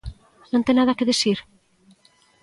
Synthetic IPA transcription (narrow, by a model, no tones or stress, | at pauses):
nont̪enaðakeðesiɾ